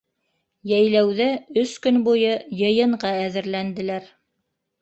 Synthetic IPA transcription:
jæjlæwðæɵskɵnbujɤjɤ̆jɤ̆ɴɢɑæðɘ̆ɾlænd̪ɘ̆læɾ

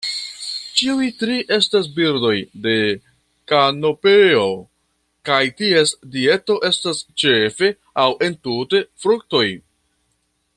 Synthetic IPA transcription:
t͡ʃiujtɾiʔe̞stas̬biɾdo̞jde̞ | kanopeo̞ | kajtie̞sdie̞to̞ʔe̞stast͡ʃe̞fe̞ | awʔe̞ntute̞fɾuk̚to̞j

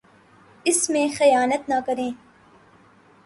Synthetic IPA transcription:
ɪsmẽːxɐjaːnɐt̪nɐkɐɾẽː

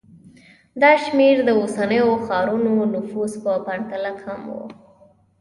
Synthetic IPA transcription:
d̪ɑʃmeɾd̪əosanəjoxɑɾunonʊfuspəpaɳt̪alakhamwṵ

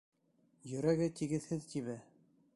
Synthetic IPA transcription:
jɵ̆ɾæɡɘt̪iɡɘ̆ðhɘðt̪iβæ

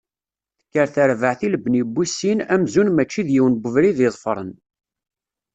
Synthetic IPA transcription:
θə̥kːəɾθəɾvəʕθilbnibːisːinæmzunmæt͡ʃːiðjiwənbəvɾiðɪðˤfəɾˤə̰n

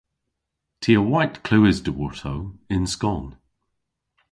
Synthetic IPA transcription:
tʰiəwaɪʔkʰl̥ʉːɪzdəwɔɹtʰoɪ̃nskɔn

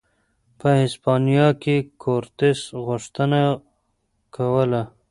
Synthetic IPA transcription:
pəhɪspɑnijɑkekʰoɾt̪esɣʊʂt̪əna | kʰawəla

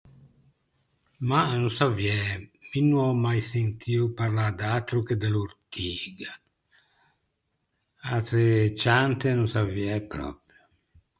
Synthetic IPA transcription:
manusavjɛminːuɔmːajsent̪ʰiːupaɾlad̪aːt̪ɾuked̪eluɾt̪ʰiːɡa | at̪ɾet͡ʃant̪enusaviɛpɾɔ̰pɾjo

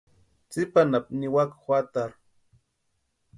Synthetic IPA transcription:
t͡sipanap̚niwakxʷwat̪aɾ

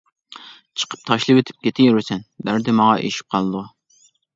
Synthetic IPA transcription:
t͡ʃʰə̥qʰə̥p̚t̪ʰɑʃlˠɨwet̪ʰɪ̥p̚kʲʰet̪ʰɪjyɾɪsɛnbæɾd̪ɪmɑʁɑʔḛʃi̥p̚qʰɑlˠɨd̪u

